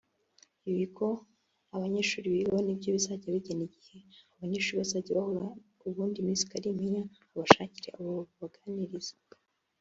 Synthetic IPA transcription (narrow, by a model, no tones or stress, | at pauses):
iβiko̞ | aβaɲeʃuːɾiβionibjoβisaɟeβiɟeniɟihe̞aβaɲeːʃuːɾiβasaɟeβahoɾa | uβuːndimizi̥kaɾimiɲaː | βaʃaciɾḛʔaβoβaɡaniɾiz̥e